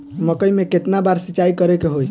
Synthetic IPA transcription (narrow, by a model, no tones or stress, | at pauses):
məkəjmeket̪nabaɾsit͡ʃaikəɾekeɦoj